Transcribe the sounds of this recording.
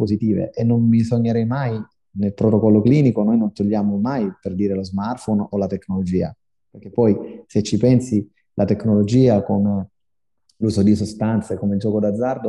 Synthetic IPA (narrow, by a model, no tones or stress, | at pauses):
pozit̪iːvḛʔenːonmisoɲːeɾɛjmaj | nelpɾot̪okɔlːokliːnikonojnont̪oʎːaːmomajperd̪iːɾelozmart̪fonolat̪ekːnolod͡ʒiːa̰ | perk̟ːepːɔjset͡ʃːipɛnsi | lʔat̪ekːnolod͡ʒiːakome | luːzod̪isost̪ant̪sekomeild͡ʒɔːkod̪ad̪zːard̪o